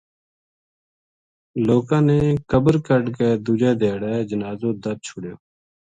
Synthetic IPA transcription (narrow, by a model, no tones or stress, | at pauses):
loːkãːneːkəbəɾkəɖkeːd̪ud͡ʒɛːd̪ʱeːɽɛːd͡ʒənaːzõːd̪əɾ̚t͡ʃʰʊɽjoː